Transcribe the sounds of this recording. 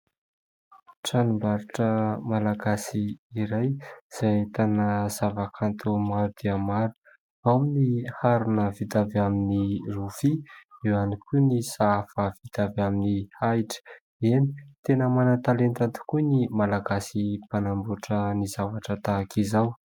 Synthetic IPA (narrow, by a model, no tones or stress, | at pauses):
ʈ͡ʂanumbaɾuʈ͡ʂəmalaɡasiːɾajz̥at̪anəz̥avakʰant̪ʰumaɾud̪̥eəmaɾu̥ | aminihaɾunəvid̪avaminiruv̥iewanikunisafəvid̪̥avaminihajʈ͡ʂə̥ | eni̥t̪enəmanant̪alent̪at̪i̥kunimalaɡasipanambuʈ͡ʂənizavaʈ͡ʂət̪akʰizaw